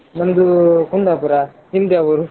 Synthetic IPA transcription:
mɐnd̪ukund̪aːpuɾa | ɦind̪eɐʋɐɾu

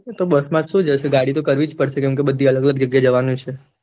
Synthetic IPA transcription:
t̪obəsmãd͡ʒʃũd͡ʒəʃeɡaɽit̪okəɾʋid͡ʒpəɽʃʰekɛ̃mkebəd̪ʱːiələɡələɡ̚d͡ʒəɡjad͡ʒəʋanũt͡ʃʰe

